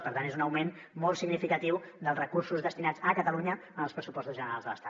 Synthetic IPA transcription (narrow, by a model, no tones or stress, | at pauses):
pəɾt̪anezunəwmen | mɔlˠsiɡnifikət̪iwd̪əlˠrəkuɾsuzðəst̪inad͡zəkət̪əluɲəənəlˠspɾəsupɔst̪uzʒənəɾa̰lzðələ̰st̪a